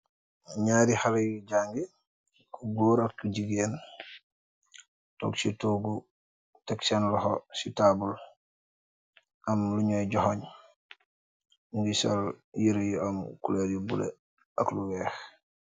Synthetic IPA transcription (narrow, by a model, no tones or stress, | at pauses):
ɲaːɾixalejiɟaːŋɡi | kuɡoːɾakːuɟiɡeːn | to̰ksitoːɡu | teksanlɔhositabul | ʔamluɲojɟɔhoɲ | uŋɡisaljiɾejiomkuleɾibulḛ | ɐkluwɛːx